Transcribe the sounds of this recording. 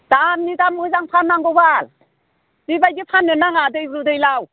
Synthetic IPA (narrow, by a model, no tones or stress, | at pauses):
d̥amnidamɯzaŋpʰanːaŋɡɔwbal | bibajɡipʰanːɯnaŋadɯjɾudɯjlaw